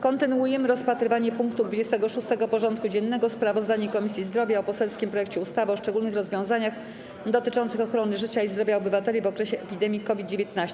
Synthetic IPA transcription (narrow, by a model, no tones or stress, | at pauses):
kɔnt̪ɘnuujɛmɘɾɔspat̪ɾɘvaɲɛpuŋkt̪ud̪vud͡ʑest̪ɛɡɔʂust̪ɛɡɔpɔʐɔnt̪̚kud͡ʑɛnːɛɡɔspɾavɔzd̪aɲɛkɔmʲisʲjizd̪ɾɔvʲjaɔpɔsɛlskʲimpɾɔjɛk̚t͡ɕɛust̪avɘɔʂt͡ʂɛɡulnɘxɾɔzvʲjɔ̃w̃zaɲax | d̪ɔt̪ɘt͡ʂɔ̃nt̪sɘxɔxɾɔnɘʐɘt͡ɕaizd̪ɾɔvʲjaɔbɘvat̪ɛlʲivɔkɾɛɕɛʔɛpʲid̪ɛmʲjikɔvʲid̪̚d͡ʑevʲjet̪̚naɕt͡ɕɛ̥